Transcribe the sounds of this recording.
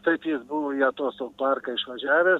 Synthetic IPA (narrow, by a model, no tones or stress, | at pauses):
t̪ɐɪpjɪsbʊʋoːjɛt̪oːsɐpɑrkɐɪʃʋɐʒʲæːʋʲeːs